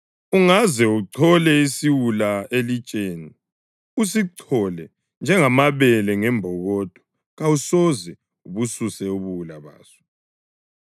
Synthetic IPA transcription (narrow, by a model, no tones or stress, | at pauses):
uŋazɛuǀʰɔlɛisiwulaelit͡ʃʼeːni | us̬iǀʰɔlɛ | nd͡ʒʱɛŋamaβɛlɛŋɛmbʱɔɣɔd̥ʼʱɔ̥ | ɣawusɔzɛ | uβususɛuβuwulaβa̰ːsɔ̥